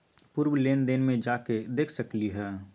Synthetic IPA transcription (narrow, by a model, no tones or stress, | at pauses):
puɾwleːnd̪eːnmẽd͡ʒaːked̪eːkʰsəkliɦɛː